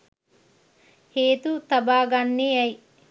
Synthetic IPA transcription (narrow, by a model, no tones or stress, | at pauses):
heːt̪ut̪ɐbaːɡanːiɐj